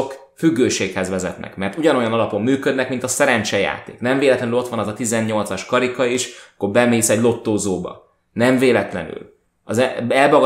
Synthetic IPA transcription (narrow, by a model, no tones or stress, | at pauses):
k | fyɡːøːʃeːkhɛzʋɛzɛ̰t̪nʔɛ̰kmɛrt̪uɟɒno̞jɒnɒlɒpo̞mːyːkø̞d̪nɛkmint̪ɒsɛɾɛnt͡ʃɛja̰ːt̪ḛːknɛɱveːlɛt̪lɛnylo̞t̪ʋɒnɛzɒt̪izɛnːɲo̞lt̪sɒʃkɒɾikɒiʃɒkːobɛmeːsɛɟlo̞t̪ːoːzoːbɒ̰ | nɛɱveːlɛt̪lɛ̰ny̰l | ɒzɛɛlbɒɡ